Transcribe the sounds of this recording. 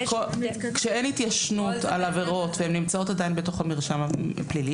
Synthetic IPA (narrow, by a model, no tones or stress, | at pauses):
kokʃee̞nhitjaʃnutalaveʁo̞tveemnimt͡sao̞tadajinbeto̞χamiʁʃamaplili